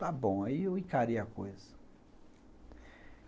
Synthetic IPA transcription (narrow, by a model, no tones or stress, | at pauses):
abõioĩkaɾiako̰jzɐ̥